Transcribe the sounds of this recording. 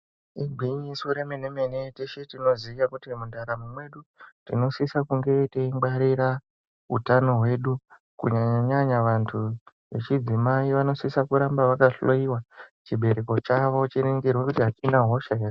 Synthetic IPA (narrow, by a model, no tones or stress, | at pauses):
iɡʱwiɲisuɾemenemeneteʃetino̞zijakutimundaɾamumwe̞ɗutino̞sisakuŋɡe̞teimɡ͡baɾiɾa | ɦṵtano̞ɦwe̞ɗu | kṵɲaɲaɲaʋantʰu | ʋet͡ʃid͡zimaiʋano̞sisakuɾambaʋakaɬoiwat͡ʃiɓʱe̞ɾe̞ko̞t͡ʃaʋo̞t͡ʃiɾeŋɡerwekutiɦat͡ʃinaɦo̞ʃae